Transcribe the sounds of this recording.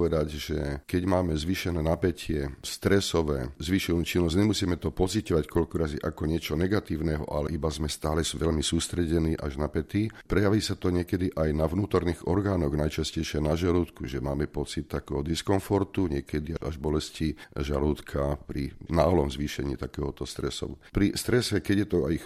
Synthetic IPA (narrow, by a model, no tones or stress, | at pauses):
ʋɛd̪aɟʒɛkɛɟmaːmɛzʋiːʃɛnɛːnapɛcʰɪɛst̪ɾɛsɔʋɛ̰ːzʋiːʃɛnuːt͡ʃinːɔzɲɛmusiːmɛt̪ɔpɔt͡sicɔʋackɔʎkɔɾaziʔakɔɲɪɛt͡ʃɔnɛɡat̪iːʊnɛɦɔ̰ʔa̰lɛʔibazmɛst̪aːlɛsʋɛʎmisuːst̪ɾɛɟɛniːʔa̰ʒnapɛt̪ipɾɛjaʋiːsat̪ɔɲɪɛkɛd̪iʔajnaʋnuːt̪ɔɾniːɣɔɾɡaːnɔɣnajt͡ʃascɛjʃɪɛnaʒaluːt̪kuʒɛmaːmɛpɔt͡sit̪ːakɛːɦɔd̪iskɔnfɔɾt̪uɲɛkɛd̪iaa̰ʒbɔlɛsciʒaluːt̪kʰapɾinaːlɔmzʋiːʃɛɲḭːt̪akɛːɦɔt̪ɔst̪ɾɛsɔ̰ʋupɾist̪ɾɛsɛkɛɟjɛt̪ɔa̰i